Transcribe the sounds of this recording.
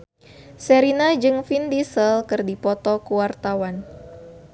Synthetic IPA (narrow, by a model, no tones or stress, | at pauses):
sɛɾinad͡ʒɨŋfindisəlkɨrdipɔt̪ɔkuwart̪awan